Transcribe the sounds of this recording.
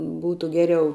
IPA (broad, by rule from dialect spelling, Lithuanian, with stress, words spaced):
ˈbuːtʊ ˈɡʲæːrʲɛʊ